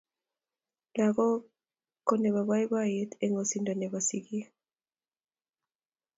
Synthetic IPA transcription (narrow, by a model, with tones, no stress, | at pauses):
la˨ɣɔ˦ | kɔ˦nɛ˨βa˨βa˦jba˦je˦t̪e˦ŋɔ˨si˨nda˨nɛ˨βa˨si˨ki˦